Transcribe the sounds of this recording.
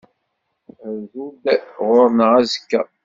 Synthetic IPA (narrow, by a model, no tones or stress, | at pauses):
zud̪ʁʊɾnəʁæzəkːæ